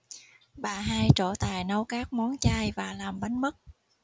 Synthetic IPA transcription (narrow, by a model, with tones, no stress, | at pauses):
ɓaː˨˩ɦaː˧jt͡ɕo˧˩t̪aː˨˩jnə˨˦wkaː˦˥k̚mɔ˨˦nt͡ɕaː˧jvaː˨˩laː˨˩mɓə˨˦jnmə˦˥t̚